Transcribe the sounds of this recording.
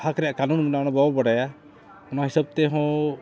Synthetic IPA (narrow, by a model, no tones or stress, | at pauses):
hakɾɛjakanunminaɔɽ̃ɔbɔbɔɽaja | ɔnaɦisɔb̚t̪eɦɔ̃